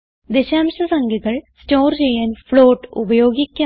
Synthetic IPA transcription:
d̪eɕaːmɕɐsɐŋɡiɣɐɭstoːrt͡ɕejːaːnfɭoːʈːṵbɐjoːɡikʲːɐ

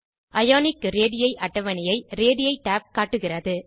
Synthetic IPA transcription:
ʔɐjaːnɪkɾeːɽɪjɐɪʔɐʈːɐʋɐnɪjɐɪɾeːɽɪjɐɪʈaːp̚kaːʈːɯɣɪrɐðɯ

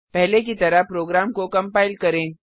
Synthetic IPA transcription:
pɛɦlek̬it̪ɐɾapɾoːɡɾaːmkokɐ̃mpaːɪlkɐɾẽː

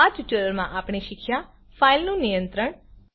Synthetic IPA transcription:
ad͡ʒʈəɾəɾmãʔapɳ̃eʃɪkʰja | failnũnijə̃nt̪ɾəɳ

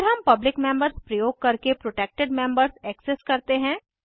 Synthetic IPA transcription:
ɾɦɐmpɐblɪkmẽmbəɾzpɾɐjoːɡ̚kɐɾkepɾoːʈeːk̚ʈeɖmẽmbəɾzɛːkseskɐɾt̪eɦɛ̃ː

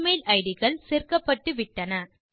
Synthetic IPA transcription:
mɐɪlʔɐɪɽɪɣɐɭseːrkɐpːɐʈːɯʋɪʈːɐnɐ

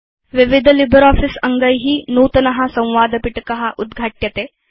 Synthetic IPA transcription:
ʋiʋid̪ʱəlibʱəɾɔːfisɐŋɡɐjɦiːnuːt̪ɐnɐɦɐsɐ̃w̃ʋaːd̪ɐpiʈkɐɦaʔud̪ɡʱaːʈjɐt̪e

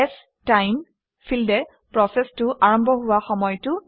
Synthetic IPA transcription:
ɛs | tajm | fʰildɛ | pɹɔsɛstʊʔaɹɔmbʱɔɦʊwaxɔmɔjtʊ

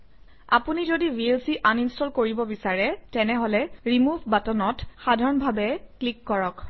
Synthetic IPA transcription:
a̰punizodibielsiʔaninstɔlkoɹibɔbisaɹɛtɛnɛɦɔlɛɹimubʱbatɔnɔtxadʱaɹɔnbʱabɛklikːɔɹɔk

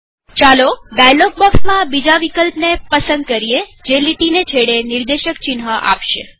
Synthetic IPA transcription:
t͡ʃalobɛjlok̚bɔksmãbid͡ʒaʋikəlpnepəsənd̪̚kəɾied͡ʒeliʈinet͡ʃʰeɽeniɾd̪eʃək̚t͡ʃɪnɦəʔa̰pʃe

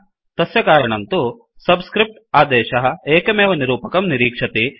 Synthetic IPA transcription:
t̪ɐsjɐkaːɾɐɳɐnt̪u | sɐbskɾip̚ʈaːd̪ɛːʃɐɦɐ̆eːkɐmeːʋɐniɾuːpɐkɐmniɾiːkʂɐt̪i

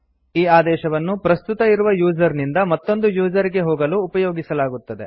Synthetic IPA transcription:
iːaːd̪ɛːʃɐʋɐnːupɾɐst̪ut̪ɐiɾuʋɐjuːd͡ʒɐɾnind̪ɐmɐt̪ːo̞nd̪ujuːd͡ʒɐɾiɡe̞ɦoːɡɐluːpɐjoːɡisɐlaːɡut̪ːɐd̪e̞̰

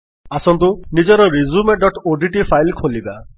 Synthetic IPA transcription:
asɔnt̪unid͡ʒɔɾɔɾizumeɖɔʈoɖiʈipʰajlkʰoliba

